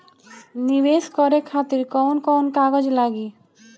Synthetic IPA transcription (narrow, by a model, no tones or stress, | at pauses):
nibeskɔɾekʰat̪iɾkɔwnkɔwnkaɡɔd͡ʒlaɡi